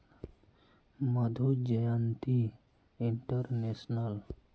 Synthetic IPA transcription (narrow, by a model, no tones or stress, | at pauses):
məd̪ʱud͡ʒəjant̪i | iɳʈəɾnesnal